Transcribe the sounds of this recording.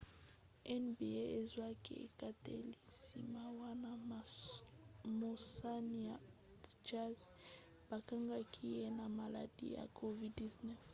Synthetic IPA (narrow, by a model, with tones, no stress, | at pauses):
ɛ˦nbi˨e˦e˦zwa˦ki˦ḛ˨ka˦tḛ˦li˨si˨ma˦wa˦na˦ | mo˨sa˦ni˨ja˨ | d͡ʒa˦z | ba˨ka˦ŋɡa˦kʰi˦je˦na˨ma˨la̰˨dḭ˦ja̰˨kʰo˨vi˦di˨znɛ˦f